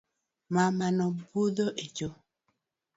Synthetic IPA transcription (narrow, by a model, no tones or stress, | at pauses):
mamanɔbudoʔed͡ʒo